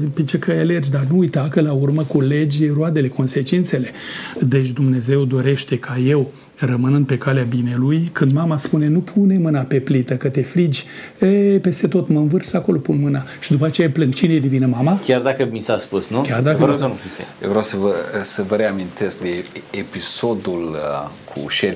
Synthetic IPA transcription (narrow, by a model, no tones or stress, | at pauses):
pet͡ʃekʰəale̞rd͡ʒʲd̪arnuːjt̪akəlaurməkule̞d͡ʒʲroad̪e̞le̞ko̞nse̞t͡ʃint̪se̞le̞d̪e̞t͡ʃ̬ʲd̪umne̞ze̞wd̪o̞ɾe̞ʃt̪e̞kʰaje̞w | rəmɨnɨnd̪pe̞kaleabine̞lujkɨnd̪mamaspune̞nupʰune̞mɨnape̞plit̪əkət̪e̞fɾid͡ʒʲ | epe̞st̪e̞t̪o̞t̪məɨnvɨrsako̞lo̞punmɨna | ʃid̪upat͡ʃe̞japlɨŋɡt͡ʃineed̪evinəmamakʲard̪akəmisaspusnukʲard̪akəɾoist̪ḛj̰vɾawsəvəsəvəɾeamint̪e̞sk̚d̪eepiso̞d̪ulkʰṵʃel